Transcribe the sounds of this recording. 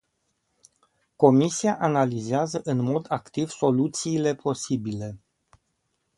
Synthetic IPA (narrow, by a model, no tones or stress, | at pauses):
ko̞misiaʔanalizeazəʔɨnmo̞d̪akt̪iv̥so̞lut̪siːle̞pʰo̞sibile̞